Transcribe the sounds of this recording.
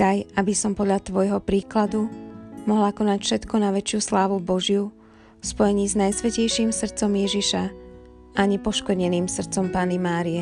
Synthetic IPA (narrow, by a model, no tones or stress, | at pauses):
ajabisɔmpɔd̪ʎat̪ʋɔjɦɔpɾiːklad̪umɔɦlakɔnacfʃɛt̪kɔnaʋɛt͡ʃɪuslaːʋubɔʒɪu | spɔjɛɲiːznajsʋɛcɛjʃiːmsr̩t̪t͡sɔmjɛʒiʃa | ʔaɲɛpɔʃkɔdɲɛniːmsr̩t̪t͡sɔmpaːnimaːɾiɛ